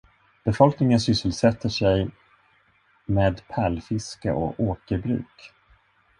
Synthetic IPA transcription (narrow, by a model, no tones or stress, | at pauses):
b̥ɛfɔlknɪŋənsʏsːəlsɛt̪ʰːəʂɛj | meːd̪pʰælfɪska̰ʔɔ̰oːkəɾbɾʉ̟̰ːk